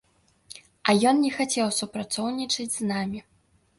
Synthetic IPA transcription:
ɐjɔnnʲɛxat͡sʲɛwsupɾat̪sɔwnʲit͡ʂɐd͡zʲznamʲi

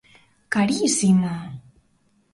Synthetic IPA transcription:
kaɾisima

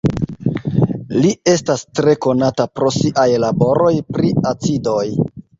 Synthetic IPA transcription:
lie̞stastɾe̞ko̞natapɾo̞siʔajlabo̞ɾo̞jpɾiat͡sido̞j

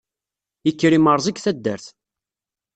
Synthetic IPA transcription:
əkːɾiməɾˤzˤikθæd̪ːə̰ɾθ

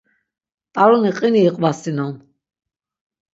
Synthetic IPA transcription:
t̪ʼaɾuniqʼiniːqʼvasinɔn

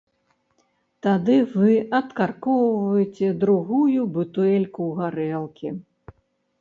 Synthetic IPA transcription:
t̪ad̪ɨvɨɐt̪karkɔwvɐjɛt͡sʲɛd̪ɾuɣujubɨt̪uɛlʲkuɣaɾɛlˠkʲi

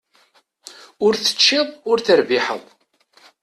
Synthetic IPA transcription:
ʊɾθə̥t͡ʃːiðˤʊɾθəɾviħə̰ðˤ

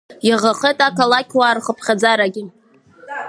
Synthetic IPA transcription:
jaʁaχetʼakalakʲʰwaːrχəpʰχʲad͡zaɾaɡʲɪ

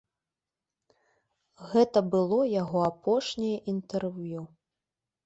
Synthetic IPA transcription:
ɣɛt̪ɐbɨlˠɔjaɣɔapʰɔʂnʲijɐʔint̪ɛrvju

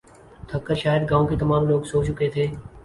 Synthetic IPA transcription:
t̪ʰɐkːəɾʃaːjəd̪̚ɡãːõket̪ɐmaːmloːɡsoːt͡ʃʊket̪ʰeː

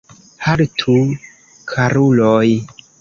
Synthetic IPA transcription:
haɾtʰu | kʰaɾuloj

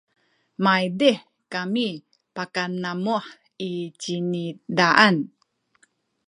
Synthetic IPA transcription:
majdeħ | kami | pakanːamuħ | it͡ɕinidaʔan

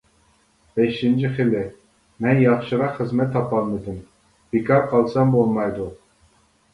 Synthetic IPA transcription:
b̥ɛʃint͡ʃʰiχɨlɪ | mɛnjɑχʃɨʁɑχɨzmɛt̪ʰːɑpɑlˠmɨd̪ɨm | b̥ekʰɑɾqʰɑlˠsɑmbolˠmɑjd̪u

